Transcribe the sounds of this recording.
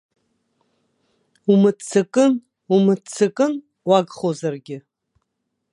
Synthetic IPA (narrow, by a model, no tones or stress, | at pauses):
umɨt͡sʰːɨkʼɨn | umɨt͡sʰɨkʼɨn | waɡχozarɡʲɪ